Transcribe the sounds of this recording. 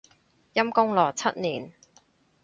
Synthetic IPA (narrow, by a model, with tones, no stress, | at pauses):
jɐ˥mkʊ˥ŋlɔː˨˩t͡sʰɐ˦˥t̚niː˨˩n